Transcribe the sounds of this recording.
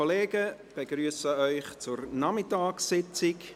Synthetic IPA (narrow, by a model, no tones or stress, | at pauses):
oleːɡəb̥eɡ̥ryːsəœʏχt͡sʊrnɑmɪtɑːksɪt͡sɪk